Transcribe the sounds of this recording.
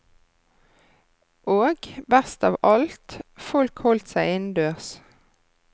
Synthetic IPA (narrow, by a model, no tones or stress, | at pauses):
ʔoːɡbæst̪ɑːʋɑlt̪fɔlkhɔlt̪sæɪɪnd̪øːʁs